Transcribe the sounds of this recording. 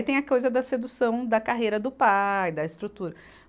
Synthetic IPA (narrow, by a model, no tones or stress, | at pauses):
t̪ẽj̃ɐkojzɐd̪ɐsed̪usɐ̃w̃d̪ɐkaɦejɾɐd̪ʊpajd̪ɐɪst̪ɾut̪uɾɐ